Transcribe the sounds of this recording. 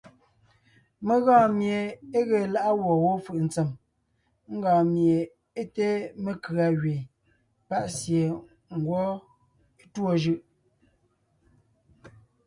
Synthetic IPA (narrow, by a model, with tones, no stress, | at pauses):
me˦˨ɣãː˦˨mje˨e˦ɣe˨la˦ʔa˦wɔ˨wo˦fɯ˦˨ʔn̩˨t͡se˨m | ŋ̩˦ɡɔ̃ː˨mje˨ | e˦te˦me˨kɰa˨ɣɥe˨ | pa˦ʔsje˨ | ŋ˨ɡwɔ˦ | e˦two˦˨ʒɯ˦ʔ